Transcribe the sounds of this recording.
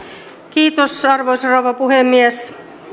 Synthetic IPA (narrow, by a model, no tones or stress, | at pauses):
kiːt̪osɑrʋoisɑroʋɑpuhemːies